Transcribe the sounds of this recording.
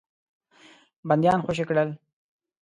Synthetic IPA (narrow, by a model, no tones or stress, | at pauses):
band̪jɑːnxʷaʃ̬ekɽəl